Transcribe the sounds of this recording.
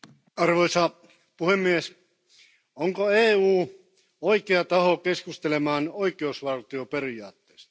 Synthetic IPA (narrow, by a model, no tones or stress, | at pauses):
ɑrʋojsɑ | puhemːies | oŋkoeːuː | oikeɑt̪ɑhokeskust̪elemɑːnoikeusʋɑlt̪io̞pe̞ɾiɑːt̪ːeːst̪ɑ̥